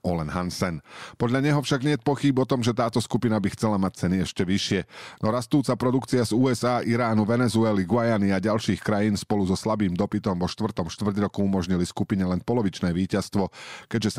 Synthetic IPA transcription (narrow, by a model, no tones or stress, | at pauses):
ɔlɛnɦansɛnpɔd̪ʎaɲɛɦɔfʃaɡɲɪɛt̪̚pɔxiːbɔt̪ɔmʒɛt̪aːt̪ɔskupinabixt͡sɛlamac̚t͡sɛniɛʃcɛʋiʃɪɛnɔɾast̪uːt͡sapɾɔd̪ukt͡siazuːɛzaːʔiɾaːnuʋɛnɛzuɛliɡʊajaniaɟalʃiːxkɾajiːnspɔluzɔslabiːmd̪ɔpit̪ɔmʋɔʃt̪ʋr̩t̪ɔmʃt̪ʋr̩ɟɾɔkuumɔʒɲiliskupiɲɛlɛnpɔlɔʋit͡ʃnɛːʋiːcast̪ʋɔkɛɟʒɛs